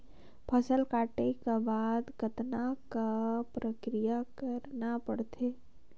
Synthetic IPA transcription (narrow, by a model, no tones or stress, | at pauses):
pʰəsəlkaːʈekabaːd̪ɡət̪nakapɾəkɾijakəɾnapəɽt̪ʰeː